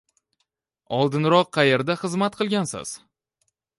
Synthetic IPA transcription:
ɒlˠd̪ɪnɾɒqːʰɑjeɾd̪aχɨzmat̪̚qʰɨlˠɡʲansɪ̰z̥

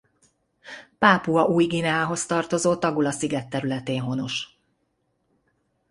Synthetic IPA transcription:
paːpuɒʔuːjɡinɛɦaːɦo̞st̪ɒrt̪o̞zoːt̪ɒɡulɒsiɡɛt̪ːɛɾylɛt̪eːnɦo̞no̞ʃ

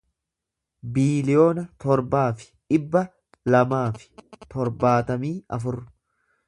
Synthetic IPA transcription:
biːlɪjo̞ːnɐt̪ɔɾbaːfɪ̥ᶑɪbːɐ | lɐmaːfɪ̥t̪ɔɾbaːt̪ɐmiːɐfʊrː

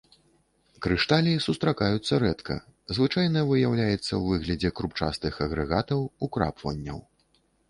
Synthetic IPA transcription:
kɾɨʂt̪alʲiisust̪ɾakajut̪sːɐɾɛt̪kʰɐ̰zvɨt͡ʂajnɐvɨjawlʲajɛt̪sːɐwvɨɣlʲɐd͡zʲɛkɾupt͡ʂa̰st̪ɨxɐɣɾɛɣat̪ɐwukɾa̰pvɐ̰nʲːɐ̰w

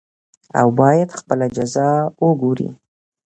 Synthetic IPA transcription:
a̰wbɑjad̪xpəlad͡ʒazɑwəɡoɾḭ

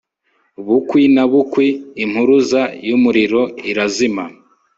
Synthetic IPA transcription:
βukwinaβukwiːm̥huɾuzajumuɾiɾo̞iɾazima

